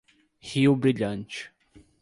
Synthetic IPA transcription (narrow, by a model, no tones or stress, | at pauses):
hiwbɾiʎɐ̃nt͡ʃɪ̥